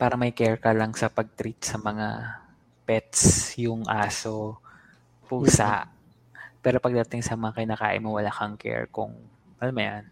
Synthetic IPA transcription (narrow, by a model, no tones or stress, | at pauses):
paːɾɐmɐjkɛɹkɐlɐŋsɐpɐɡ̚t̪ɾit̪̚sɐmɐŋa̰ | pɛt̪̚sjʊŋʔaːso | pʊsa̰ʔ | pɛːɾopɐɡ̚d̪ɐt̪ɪŋsɐmɐŋakɪnaːka̰ːʔɪ̰mowɐlakɐŋkʰɛ̰ɹkʊ̰ŋ | mɐlamɐja̰n